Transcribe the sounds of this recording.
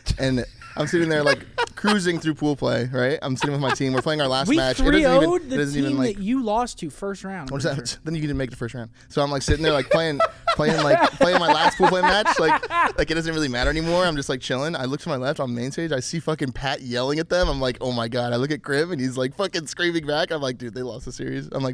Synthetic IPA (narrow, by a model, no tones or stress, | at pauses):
ɨ̃n | ʔãɪ̃ms̬ɪɾɪ̃ŋðə˞laɪkʰːɹ̥ʉzɪ̃ŋθɹʉpʰulˠpʰl̥eɪɹaɪt̚ã̰ɪ̃msɪɾɪ̃ŋwɨðmaɪtʰĩmwəɹpl̥eɪ̃ŋaʊə˞læstmæt͡ʃdʌzoʊd̪̚ðɨdʌzn̩tiṽnlaɪɨt͡ʃɨlɔstʰɨfɜ˞st̚ɹãʊ̃nsðɨ̃njɨk̩ⁿmeɪk̚ðəfɜ˞st̚ɹãʊ̃nd̥soʊãɪ̃mlaɪksɪɾɪ̃ŋðə˞laɪpʰl̥eɪɪ̃ŋpʰeɪɪ̃ŋlaɪkpʰleɪɪ̃maɪlæst̚pʰulˠpʰleɪmæt͡ʃt͡ʃlaɪklaɪkɨt̚d̥ʌzɨ̃nt̚ɹɪlˠimæɾə˞ɛnimɔɹãɪ̃md͡ʒʌst̚ˡlaɪk̚t͡ʃʰɪlˠɪ̃ŋa̰ɪlʊk̚tʰəmaɪlɛftn̩mẽɪ̃nsteɪd͡ʒaɪsifʌkɨ̃ŋpʰæʔ̚jɛlˠɪ̃ŋɨt̪̚ðə̃mãɪ̃mlaɪkoʊmaɪɡɑɾaɪlʊk̬ɨt̚ɡ̥ɹɪ̃mɨ̃nizlaɪkfʌkɨ̃nskɹĩmɪ̃ŋbækãɪ̃mlaɪk̚d̥ɨðeɪlɔ̰st̪̚ðəsɪ̰ɹizãɪ̃mlaɪ